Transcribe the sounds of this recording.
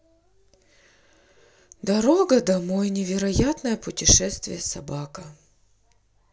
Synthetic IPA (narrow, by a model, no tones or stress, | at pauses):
d̪ɐɾoɡəd̪ɐmojnʲɪvʲɪɾɐjat̪nəjəpʊtʲɪʂɛst̪vʲɪ̰jəsɐbakə